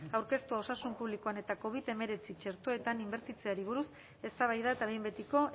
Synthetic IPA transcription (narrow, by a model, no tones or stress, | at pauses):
awɾke̞st̪uo̞sasumpuβlikoane̞t̪ako̞β̞it̪e̞me̞ɾe̞t͡sit͡ʃe̞ɾt̪o̞e̞t̪animbe̞ɾt̪it͡se̞aɾiβ̞uɾus | e̞st̪aβajðae̞t̪aβembe̞t̪iko̞